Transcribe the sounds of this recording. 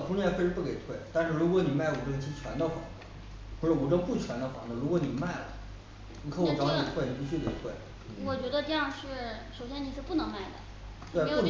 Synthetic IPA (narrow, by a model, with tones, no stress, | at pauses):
kʰʊ˥ŋnjɛ˥˧˩fwe˥˧ʂɻ̩˥pu˥˩ke˨˩ɪt̪ʰwe˥˩ɪt̪a˥˧nʂɻ̩˥˩ɻu˧˥kwɔ˧˥ni˨˩ma˥˩ɪu˨˩ʈ͡ʂɤ˥ŋt͡ɕʰi˧˥t͡ɕʰɥwa˧˥nd̪ə˧xwa̰˥˩ | u˧˥ɻə˥˩u˨˥ʈ͡ʂə˥ŋpu˥˩t͡ɕʰɥɛ˧˥nd̪ə˧xwaɑ˥˩nə˨ɻu˧˥kwɔ˧˥ni˨˩ma˥˩ɪlə̰˨˩ | ni˨˩kʰo˥˩˧u˧˩ʈ͡ʂɑ˧˥ʊni˨˩t̪ʰwe˥˩ɪni˨˩pu˧˩t͡ɕʰy˥˩ke˨˩ɪt̪ʰwe˥˩ɪ | wɔ˨˩t͡ɕɥɛ˧˥d̪ə˧ʈ͡ʂɤ˥˧jɑ˥˧ŋʂɻ̩˥˩ʂo˨˩ʊɕjɛ˥ni˨˩ʂɻ̩˥˧˩pu˥˩nɤ˧˥ŋma˥˩ɪd̪ə̰˩ | t̪we˥˩˥u˥˩